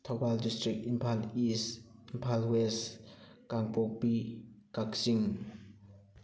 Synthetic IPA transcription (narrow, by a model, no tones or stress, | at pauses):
t̪ʰobaldistɾikimpʰalisimpʰalwɛs | kaŋpɔk̚pikak̚siŋ